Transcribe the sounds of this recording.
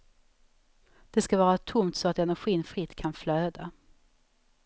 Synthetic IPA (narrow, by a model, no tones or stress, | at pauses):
d̪̥ɛskavɑːɾat̪ʰʊmt̪sɔat̪ɛnæɧiːnfɾɪt̪ːkʰanfløːd̪a